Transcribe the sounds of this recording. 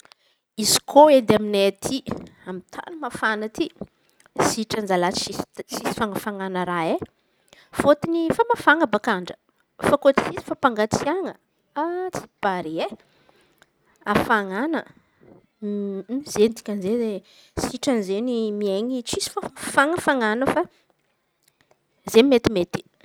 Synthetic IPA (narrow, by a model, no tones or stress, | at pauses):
izi̥kʰoed̪eaminet̪ʰiamit̪ʰa̰nimafanət̪i | siʈ͡ʂand͡zalaissisi̥faŋəfaŋanəɾae | fot̪inifamafaŋabakaɳɖ͡ʐə̥ | fakot͡si̥sisi̥fapaŋɡat͡siaŋə | at͡si̥b̥aɾie | afaŋanə | z̥end̪i̥kʲanzeze | siʈ͡ʂanizenimieɲit͡sisi̥fafaŋəfaŋanəfa | zemet̪imet̪i̥